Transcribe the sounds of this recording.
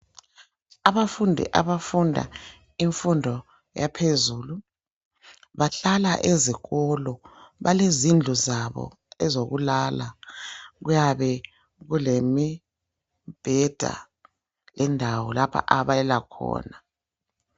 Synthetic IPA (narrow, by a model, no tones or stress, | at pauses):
aβafundʱḭʔaβafundʱa̰ | iɱfundʱɔ | japʰezuːlu | βaɬalaʔeziɣɔlɔβalezind͡ɮʱuzaβɔ̰ | ɛzoɣulala | ɣujaβɛ | ɣulemi | b̥ʱɛd̥ʱa̰ | lɛndʱawɔlapʰa̰ʔaβalɛlakʰɔ̰ːna